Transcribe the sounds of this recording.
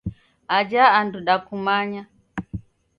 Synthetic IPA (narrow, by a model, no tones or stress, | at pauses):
ad͡ʒaːnduɗakumaɲa